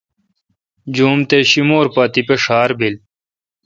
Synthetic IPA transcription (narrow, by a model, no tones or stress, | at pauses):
d͡ʑuːmt̪eɕimoːɾpaːt̪ipeʂaːɾbil